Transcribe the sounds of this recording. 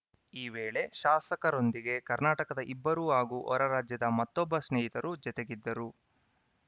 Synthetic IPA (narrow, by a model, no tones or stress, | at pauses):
iːʋeːɭe̞ʃaːsɐkɐɾo̞nd̪iɡe̞kɐɾnaːʈɐkɐd̪ɐʔibːɐɾuɦaːɡuʔɔ̰ɾɐɾaːd͡ʒjɐd̪ɐmɐt̪ːɔbːɐsneːjit̪ɐɾud͡ʒɐt̪e̞ɡid̪ːɐɾu